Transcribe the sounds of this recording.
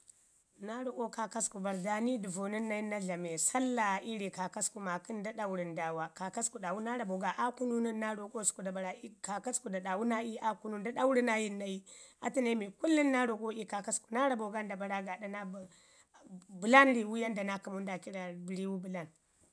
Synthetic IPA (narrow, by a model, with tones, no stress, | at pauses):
na˦ɾo˨ko˦ka˨ka˦sku˨ba˨ɾda˨ni˦di˨vo˨ni˦nːa˦i˦na˦ɮa˨me˨sa˦lːa˨i˦ɾi˨ka˨ka˦sku˨ma˨ki˦nda˦ɗa˦wu˦ɾi˨nda˨wa˨ka˨ka˦sku˨ɗa˨wu˦na˦ɾa˨bo˨ɡa˨ʔa˦ku˦nu˦niː˦a˦ɾo˨ko˦sku˨da˨ba˨ɾa˨i˦ka˨ka˦sku˨da˨ɗa˨wu˦na˦i˦a˦ku˦nu˦nda˦ɗa˦wu˦ɾi˦na˦ji˦nːa˦ji˦a̰˦ti˦na˦mi˨ku˦lːi˦nːa˦ɾo˨ko˦ʔi˦ka˨ka˦sku˨na˦ɾa˨bo˨ɡa˦nda˨ba˨ɾa˦ɡa˨da˦na˦b | bu˨la˦n˦ɾi˨wu˦ja˦nda˨na˦ki˨mu˦n˦da˨ki˦ɾa˨bi˨ɾi˦wu˦bu˨la˦n